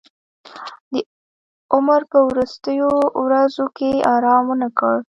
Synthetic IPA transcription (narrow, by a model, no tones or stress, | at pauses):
d̪ə | ʊmɾpəwɾʊst̪əjowɾazokeʔɑɾɑmwənakəɽ